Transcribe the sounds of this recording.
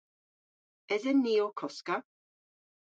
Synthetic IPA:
ɛðənːiːɔkʰɔska

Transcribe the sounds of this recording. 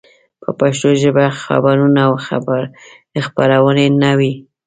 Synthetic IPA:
pʰəpaʃt̪oʒəbaxa̰baɾunawxa̰baɾd̪̥əxpaɾawənenawi

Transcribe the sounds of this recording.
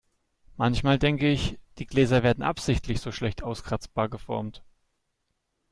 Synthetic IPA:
mançmaːldɛŋkəɪçd̥iːɡlɛːzɐveːɐdn̩ʔa̰pz̥ɪçtʰlɪçz̥oːʃlɛçtʰʔaʊskʁ̥at͡sb̥aːɐɡəfɔɐmt

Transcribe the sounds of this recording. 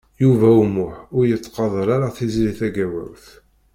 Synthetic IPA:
juvæumʊħʊɾjət͡sːqɑðˤəɾaɾaθizliθæɡæwæ̰wθ

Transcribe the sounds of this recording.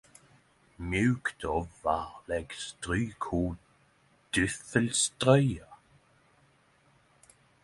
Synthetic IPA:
mjʉːkt̪ʰɔvvaʁlɛɡst̪ʁyːkʰuː | d̪̥ʏθəlst̪ʁœʏa

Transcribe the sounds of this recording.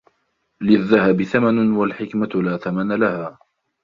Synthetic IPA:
lɪðːahabɪθamanwalħɪkmalaːθamanalahaː

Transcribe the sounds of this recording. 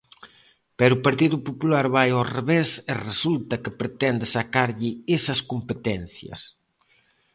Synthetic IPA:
pɛɾʊpaɾt̪iðʊpopulaɾβajoreβeseresult̪ɐkɪpɾet̪ɛnd̪ɪsakaɾʎɪesɐskompet̪ɛn̟θjɐ̰s

